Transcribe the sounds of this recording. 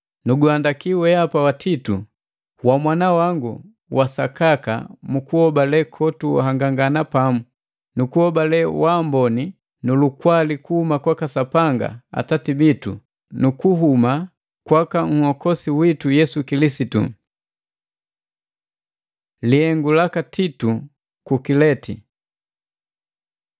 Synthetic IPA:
nuɡuandakiwɛapawatʰitṵ | wamwanawaŋɡṵ | wasakaka̰mukuhɔbalɛkʰɔtua̰haŋɡaŋɡanapamu | nukuhɔbalɛwambɔni | nulukwalikuhumakwakasapaŋɡa̰a̰tatibitṵ | nukuɦuma | kwakaŋ̩hɔkɔsiwitujɛsukilisitṵ | lihɛŋɡulakatʰitu | kukilɛtʰḭ

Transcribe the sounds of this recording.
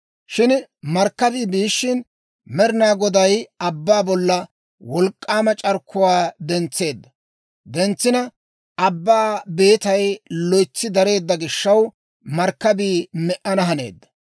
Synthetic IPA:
ʃɪnmɐɾkːɐbiːbiːʃːɪn | mɛɾɪnaːɡɔd̪ɐjɐbːaːbɔlːɐ | wɔlkʼːaːmɐt͡ʃʼɐɾkʰːʊwaːd̪ɛnt͡sːe̞ːd̪ːɐ | d̪ɛnt͡sːɪnɐ | ʔɐbːaːbe̞ːt̪ɐjlɔjt͡sːɪd̪ɐɾe̞ːd̪ːɐɡɪʃːɐw | mɐɾkːɐbiːmɛʔɐnɐɦɐne̞̰ːd̪ːɐ̥

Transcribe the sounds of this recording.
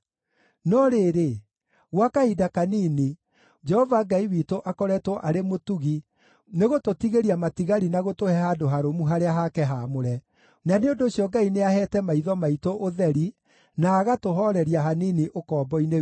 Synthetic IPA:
nɔɾeːɾe | ɣwakaidakaniːni | d͡ʒɛhɔvaɡaiwiːtoʔakɔɾɛtwɔʔaɾemotuɣi | neɣototiɣeɾiamatiɣaɾinaɣotohɛhadoɦaɾomuɦaɾeaɦakɛɦamoɾɛ | naneondoːɕiɔɡaineahɛtɛmaiðɔmaitoʔoðɛɾi | naːɣatoɦɔɾɛɾiaɦaniːniʔokɔːbɔine

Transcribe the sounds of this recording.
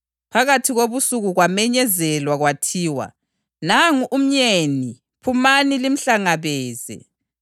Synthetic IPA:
pʰaɣatʰiɣoβusuɣuɣwamɛɲɛzɛlwaɣwatʰiːwa̰ | naŋuʔum̩ɲeni | pʰumanilim̩ɬaŋaβɛːzɛ̰

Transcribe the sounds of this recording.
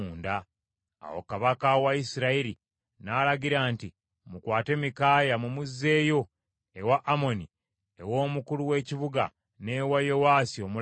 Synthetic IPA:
nda | a̰wo̰kaβakawaisiɾaiɾi | nalaɟiɾaːnti | mukwaːte̞mikaːjamumuzːe̞ːjo̞ | ewaʔːmo̞ni | ewo̞ːmukuluwe̞ːciβuɡa̰ | ne̞wajowaːsio̞mul

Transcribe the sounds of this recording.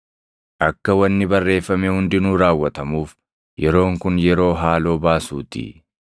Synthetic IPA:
ʔɐkːɐwɐnːɪbɐrːe̞ːfːɐmehʊnd̪ɪnuːɾaːwːɐt̪ɐmuːf | jɛɾo̞ːŋkʊnjɛɾo̞ːɦaːlo̞ːbaːsṵːt̪ɪ̰

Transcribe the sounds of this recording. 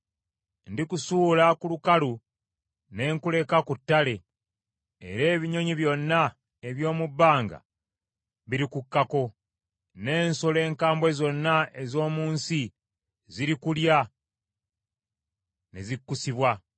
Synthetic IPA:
ndikusuːlakulukalu | ne̞ːŋkule̞kakutːale̞ː | ɾe̞ːβiɲo̞ɲiβjo̞nːa | e̞βjo̞ːmubːaːŋɡa̰ | βiɾikukːako̞ | ne̞ːnsole̞ːŋkaːmbwe̞zo̞nːae̞zo̞ːmuːnsi | ziɾikulja | ne̞̰zikːusiβwa

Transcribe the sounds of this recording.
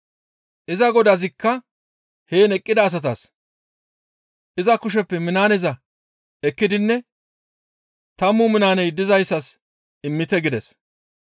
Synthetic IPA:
ʔɪzɐɡɔd̪ɐzɪkːɐ | heːnɛkʼːɪd̪ɐːs̬ɐt̪ɐs | ʔɪzɐkʊʃ̬ɛpːɛmɪnaːnɛzɐ | ɛkːɪd̪ɪnːɛ | t̪ɐmːʊmɪnaːnɛjd̪ɪzɐjsːɐs | ɪmːɪt̪ɛɡɪd̪ɛs

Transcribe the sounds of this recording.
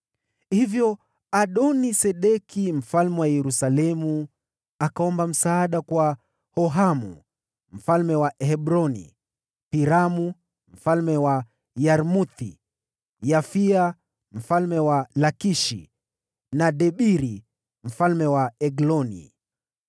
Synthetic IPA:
hivjɔ | aɗɔnisɛɗɛkim̩falmɛwajɛɾusalɛmu | akaɔmbam̩saːɗakwa | hɔɦamṵ | m̩falmɛwaʔhɛɓɾɔnḭ | piɾamu | m̩falmɛwa | jaɾmut̪i | jafia | m̩falmɛwalakiʃḭ | naɗɛɓiɾi | m̩falmɛwaɛɡlɔnḭ

